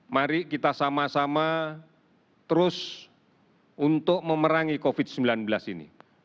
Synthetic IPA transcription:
maɾiʔkit̪asamasama | t̪əɾʊs | unt̪ʊk̚məməɾaŋikofɪd̪̚səmbilanbəlasinḭ

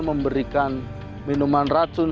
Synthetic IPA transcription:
məmbəɾikan | minumanratʊn

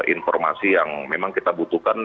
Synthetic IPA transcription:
ʔinfɔrma̰sijaŋmemaŋkit̪abut̪ukan

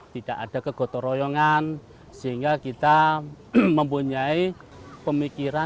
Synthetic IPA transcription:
t̪id̥aʔaɖ̥a̤kəɡ̥ɔ̤t̪ɔɾɔjɔŋan | siŋɡakit̪a | məmpuɲai | pəmikiɾa

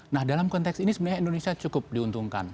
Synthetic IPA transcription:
nahdalamkɔnt̪ɛksinisəbənəɲaindonesiat͡ʃukʊp̚diunt̪uŋka̰n

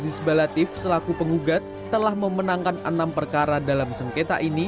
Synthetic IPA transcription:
zɪsbalat̪ɪfsəlakupəŋuɡat̪ːəlahməmənaŋkanə̰nampərkaɾadalamsəŋket̪a̰ʔini

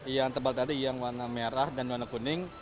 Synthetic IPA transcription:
jaŋt̪əbalt̪adijaŋwanameɾahdanwanakunɪŋ

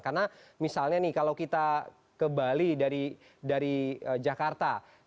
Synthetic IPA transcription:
karnamisalɲanɪkalawkit̪a | kəmbalidaɾi | daɾiəd͡ʒakart̪a

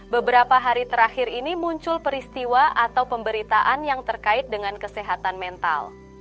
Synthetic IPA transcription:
bəbəɾapaɦaɾit̪əɾaxɪɾinimuɲt͡ʃʊlpəɾist̪iwaʔat̪awpəmbəɾit̪aʔanjaŋt̪ərkaɪt̪̚dəŋankəsɛɦat̪anmɛnt̪a̰l

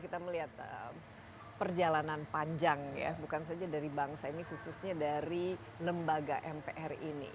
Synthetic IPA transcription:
kit̪aməliɦat̪̚əm | pərd͡ʒalananpaɲd͡ʒaŋja̰bukans̬ad͡ʒadaɾibaŋsainihususɲadaɾi | ləmbaɡaʔɛmpeʔɛrinḭ

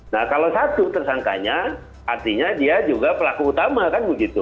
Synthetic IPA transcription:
nahkalosat̪ut̪ərsaŋka̰ɲa | ʔart̪iɲadiad͡ʒuɡapəlakuːt̪amakanmud͡ʒit̪u

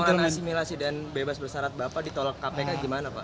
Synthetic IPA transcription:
oɾaasimilasidanbebasbərsaɾat̪̚bapadit̪ɔlɔkːapekaɡimanapa̰ʔ

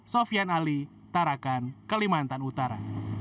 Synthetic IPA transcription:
sofianali | t̪aɾakankəlimant̪anut̪aɾa̰

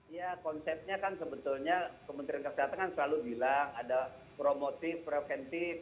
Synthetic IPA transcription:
jakɔnsɛp̚ɲakansəbət̪ʊlɲakəmənt̪ɾiankəsəɦat̪aŋkansəlalubilaŋada | pɾomot̪ɪfpɾefɛnt̪ɪf

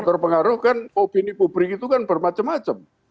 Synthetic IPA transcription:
t̪ɔrpəŋaɾʊhkanopinipubɾikit̪ukanb̥ərmat͡ʃəmːat͡ʃəm

